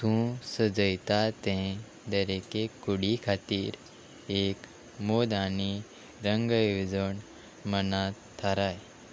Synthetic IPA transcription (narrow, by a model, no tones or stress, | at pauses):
t̪ũsəd͡zəjt̪at̪ɛ̃ | d̪əɾekekːuɽikʰat̪iːɾ | ek | mod̪ani | ɾəŋɡəjʋid͡zəɳ | mənat̪ʰːaɾaj